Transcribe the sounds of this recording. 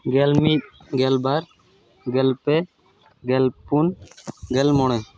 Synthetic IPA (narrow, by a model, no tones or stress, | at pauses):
ɡɛlmit̪̚ | ɡɛlbaɾ | ɡɛlpe | ɡɛlpunɡɛlmɔɽ̃ɛ̃